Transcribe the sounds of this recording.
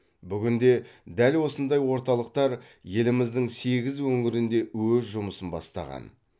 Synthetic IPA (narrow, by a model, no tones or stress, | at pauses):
bʏɡʲɪnd̪e̞d̪ælwo̞sənd̪ɑjwo̞ɾt̪ɑlˠəq̚t̪ɑɾ | je̞lɪmɪzd̪ɪŋse̞ɡʲɪzwɵŋɪɾɪnd̪e̞wɵzʒʊməsənbɑ̰st̪ɑ̰ʁɑ̰n